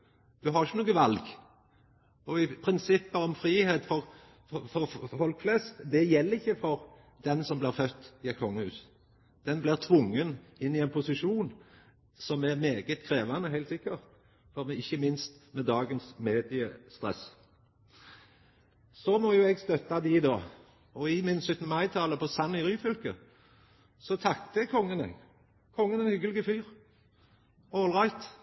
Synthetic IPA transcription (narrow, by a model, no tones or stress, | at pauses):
d̪̥ʉɦɑʁɪçənuːɡəʋɑlɡ | ɔɪpʰɾɪnsɪpːəɔmfɾiːheːt̪fɔʁ | fɔɾfɔlkflɛst̪d̪ɛjɛlːəɾɪçːəfɔɾ | d̪̥ɛnsɔmblɪʁɾfœt̪ːɪɛt̪̚kʰɔŋːəhʉ̰ːs | d̪̥ɛnblɪʁt̪ʰʋʊŋːənɪnːɪɛnpʰʊsɪʂuːn | sɔmæɾmeːɡət̪kʰɾeːʋɑnəɦæɪlt̪sɪkːəʁt̪ | fɔʁmɛɪçːəmɪnst̪mɛd̪ɑːɡənsmeːd̪ɪəst̪ʁɛ̰s | sɔmɔjʊɛɡst̪œt̪ːɑd̪ɪd̪oː | ɔɪmɪnsʉt̪nəmɑɪt̪ʰɑləpʰɔsɑnːɪʁyːfʏlkə | sɔt̪ʰɑkt̪əkʰɔŋːənɛ̰ɡ | kʰɔŋːənɛnhʏɡəlɪɡəfyːʁ | ɔːlʁɑɪt̪